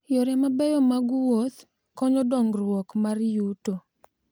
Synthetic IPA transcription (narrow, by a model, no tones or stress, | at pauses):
jɔɾɛmabɛjɔmaɡuwot̪ | kɔɲɔdɔŋɡɾwɔkmaɾjuto